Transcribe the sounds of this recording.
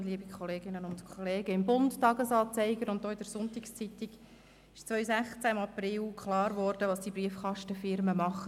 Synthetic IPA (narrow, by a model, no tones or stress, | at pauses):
liəbikʰχɔleːɡ̥ɪnənʊntkʰɔleːɡ̥əɪmbʊnttɑɡəsɑːt͡sɛɪɡ̥əɾʊnt̚dɔːɪdəɾsʊntɪkst͡sit̪ɪɡ | ɪʃt͡sʋœʏsæχt͡sæɪmɑprɪlkχlɑːɾvɔːɾd̥əʋɑːsd̥ibɾiəfkʰɑʃtəfɪɾməmɑχə